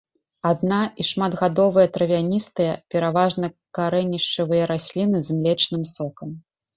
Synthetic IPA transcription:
ad̪naiʂmad̪ɣad̪ɔvɨjɛɐt̪ɾɐvʲanʲist̪ɨjɐpʲɛɾavaʐnɐkaɾɛnʲiʂt͡ʂɐvɨjɐɾasʲlʲinɨzmlʲɛt͡ʂnɨmsɔkɐm

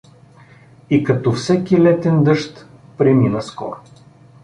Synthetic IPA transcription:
ikɐt̪ɔfsɛkilɛt̪ɛnd̪ɤʃt̪ | pɾɛminəskɔ̰ɾʊ

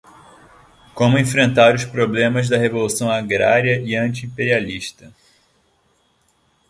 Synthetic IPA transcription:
kõmʊẽfɾẽnt̪aɾʊspɾoblẽmɐzd̪ɐɦevolusɐ̃w̃aɡɾa̰ɾiɐʔɪɐ̃nt͡ʃiĩpeɾialiʃt̪ɐ

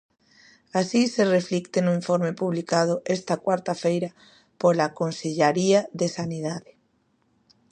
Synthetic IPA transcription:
asisereflikt̪enʊiɱfoɾmepuβlikað̞ʊʔɛst̪akwaɾt̪afejɾɐ | polakonseʎaɾiaðesaniðaðe

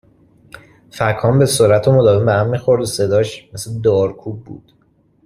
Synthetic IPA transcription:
fækʰːɒːmbe̞soɾæt̪ʰomod̪ɒːvembehæmːixoɾd̪osed̪ɒːʃmesled̪ɒːɾkʰuːb̚bṵːd̪̥

